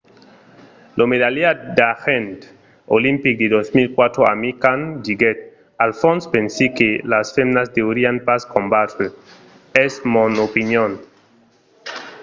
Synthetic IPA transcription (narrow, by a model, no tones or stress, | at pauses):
lʔomeðaliad̪axent̪ | olĩmpik̚d̪eðosmilkwat̪ɾoa̰mikand͡ʒiɡet̪̚ | alfõnspensikelasfemnasd̪eoɾianpaskombat̪ɾe | esmonopinjon